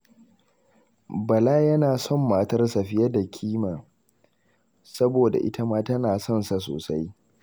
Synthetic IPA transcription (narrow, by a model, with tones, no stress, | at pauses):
bɐ˨laː˦jɐ˦naː˨sɔ˦˨mːaː˨tɐ˦rsa˨ɸɪ˦jɐ˦da˨kʲʰiː˦maː˨ | sɐ˦boː˨da̰˨ʔɪ̰˦tʰa˦maː˦tɐ˦naː˨sɔ˦˨nsa˨s̬o̰ː˨sa˦j